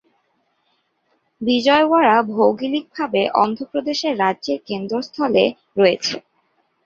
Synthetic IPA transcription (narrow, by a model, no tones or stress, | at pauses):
bid͡ʑɔewaɾabʱowɡilik̚bʱabeʔɔnd̪ʱopɾod̪eʃeɾːadːʑeɾkend̪ɾost̪ʰɔlḛ | ɾɔet͡ɕʰe